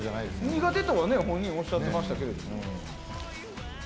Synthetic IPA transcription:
anaid̪sɲ̟iɡat̪e̞t̪oβane̞hõɲ̟ːĩɲ̃o̞ɕːat̪ːemaɕi̥t̪ake̞ɾed̪omo

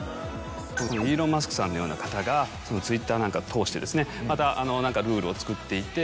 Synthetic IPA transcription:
sononoiːɾo̞mas̬ɨ̥kɯ̟̥sãnːo̞jo̞ːnakḁt̪aɡaso̞no̞t͡sɨit̪ːaːnãŋkat̪ʰo̞ːɕi̥t̪e̞d̪e̞sɨne̞mat̪aʔano̞nãŋkaɾɯ̟ːɾɯ̟o̞t͡sɨ̥kɯ̟t̪ːe̞it̪e̞

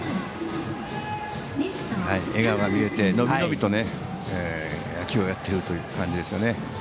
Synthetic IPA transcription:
haieɡaɡaɲʲiɾe̞t̪e̞no̞bino̞bʲit̪o̞ne̞ | e | jakʲio̞jat̪ːe̞ɾɯ̟t̪o̞jɯ̟kãɲ̟d͡ʑid̪e̞sɨjo̞ne̞

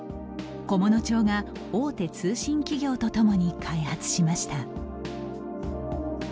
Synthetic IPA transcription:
ko̞mo̞no̞t͡ɕo̞ːɡa | oːt̪e̞t͡sɨːɕĩŋkʲiɡʲo̞ːt̪o̞t̪o̞mo̞ɲ̟ikʰaihat͡sɨ̥ɕimaɕi̥t̪a

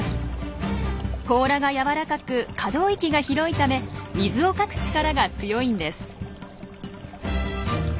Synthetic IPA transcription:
ko̞ːɾaɡajaβaɾakakɯ̟kʰad̪o̞ːikʲiɡaçiɾo̞it̪ame̞mʲizɨo̞kakɯ̟̥t͡ɕi̥kaɾaɡat͡sɨjo̞ĩnd̪e̞sɨ̥

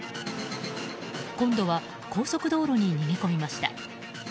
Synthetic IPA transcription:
kõ̞nd̪o̞βa | ko̞ːso̞kɯ̟d̪o̞ːɾoɲ̟iɲ̟imeko̞mʲimaɕi̥t̪a̰

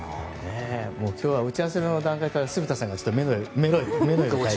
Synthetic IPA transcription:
nemo̞ːkʲʰo̞ːβaɯ̟t͡ɕias̬eɾnood̪ãŋkaikaɾasɨbɯt̪asãŋɡat͡ɕot̪ːomenomeɾoime̞noia

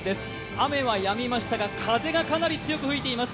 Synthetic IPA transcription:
d̪e̞sɨ̥ | ame̞βajamʲimaɕi̥t̪aɡakʰaze̞ɡakanaɾʲit͡sɨjo̞kɯ̟ɸɯ̟it̪e̞imasɨ̥

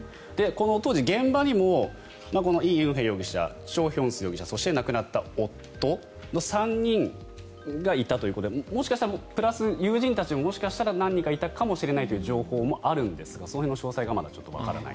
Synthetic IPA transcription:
d̪̥e̞ko̞not̪o̞ːʑiɡẽ̞mbaɲ̟imo̞ | mako̞no̞iːɯ̟̃ɰ̃ɦẽjo̞ːɡʲiɕa̰ | ɕo̞ːçõ̞ɰ̃sɨjo̞ɡʲiɕaso̞ɕi̥t̪e̞nakɯ̟nat̪ːaot̪ːo̞ | no̞sãɲ̟ɲːĩŋ | ɡait̪at̪o̞iɯ̟kot̪od̪emoɕi̥kaɕi̥t̪aɾaopɯ̟ɾasɨjɯːʑĩnt̪at͡ɕimomo̞ɕi̥kaɕi̥t̪aɾanãɲ̟ːĩkait̪akamo̞ɕiɾe̞nait̪o̞jɯːʑo̞ːho̞ːmo̞ʔaɾɯ̟̃nd̪e̞sɨ̥ɡaso̞noɦenːoɕo̞ːsaiɡamad̪at͡ɕo̞t̪ːo̞βa̰ka̰ɾa̰na̰ḭ

